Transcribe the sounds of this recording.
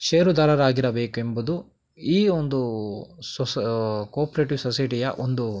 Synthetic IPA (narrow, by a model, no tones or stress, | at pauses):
ʃeːɾud̪aːɾɐɾaːɡiɾɐbeːkuembud̪u | iːond̪us | koːɾpɐɾeːʈiʋsɔsɐjʈijɐ̰ʔond̪u